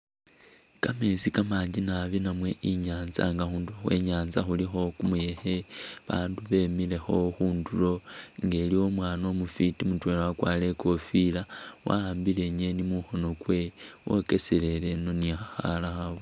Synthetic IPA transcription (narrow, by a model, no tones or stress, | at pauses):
kame̞sikamaːɲɟinaβinamwe̞ʔiɲaːnza̰ŋɡaxuːnduloxwḛɲaːnzaxulixo̞kumuje̞xe̞βa̰ːnduβe̞mile̞xo̞xuːndulo̞ŋɡe̞liwo̞mwaːno̞mufitimutwelawakwale̞ko̞filawʔa̰aːmbile̞ɲe̞nimuxo̞no̞kwe̞wo̞̰ke̞sele̞le̞no̞nixaxa̰laxaβo